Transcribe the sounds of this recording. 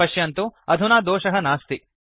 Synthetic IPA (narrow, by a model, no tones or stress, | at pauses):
ɐʃjɐnt̪uɐd̪ʱunaːd̪oːʃɐɦɐnaːst̪i